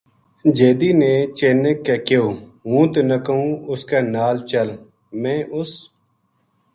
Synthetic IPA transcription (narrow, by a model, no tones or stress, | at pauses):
d͡ʒeːd̪iːnẽːt͡ʃeːneːkːeːkɪjoːɦũːt̪enəkəɦũːʊskeːnaːlt͡ʃəl | mɛ̃ːʔʊs